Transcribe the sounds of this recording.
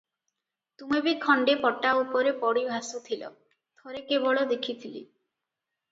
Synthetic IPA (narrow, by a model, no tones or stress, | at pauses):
t̪umebikʰɔɳɖepɔʈːaupɔɾepɔɽibʱasut̪ʰilɔ̰ | t̪ʰɔɾekebɔɭɔd̪ekʰit̪ʰilḭ